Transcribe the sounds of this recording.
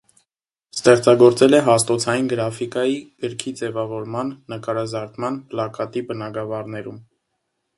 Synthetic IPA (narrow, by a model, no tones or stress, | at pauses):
st̪ɛχt͡sɑɡɔɾt͡sɛlɛɦɑst̪ɔt͡sʰɑjinɡəɾɑfikɑjiɡ̥əɾkʰid͡zɛvɑvɔɾmɑnːəkɑɾɑzɑɾt̪mɑnplɑkɑt̪ibənɑɡɑvɑrnɛɾum